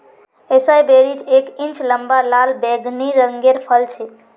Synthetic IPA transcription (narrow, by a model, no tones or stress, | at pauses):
esajbeɾit͡ʃʰekĩnt͡ʃləmbalalbɛɡʱniɾəŋɡeɾpʰəlt͡ʃʰɛ